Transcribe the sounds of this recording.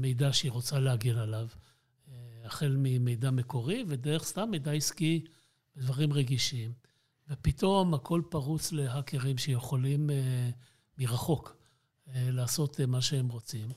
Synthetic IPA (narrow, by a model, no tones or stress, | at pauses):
mejd̪aʃiʁo̞t͡salehaɡilalav | aχe̞lmime̞jd̪ame̞ko̞ʁived̪eʁeχst̪amːejd̪aiski | bed̪vaʁimʁeɡiʃim | vepit̪o̞makʰo̞lpaʁut͡sle̞ɦake̞ʁimʃejeχo̞limeː | iʁaχo̞k | elaːso̞t̪maʃeemʁo̞t͡sim